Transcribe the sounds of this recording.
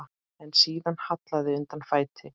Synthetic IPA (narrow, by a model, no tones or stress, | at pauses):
ɛnsiːðanhat̪laðɪʏnt̪anfaːjt̪ʰɪ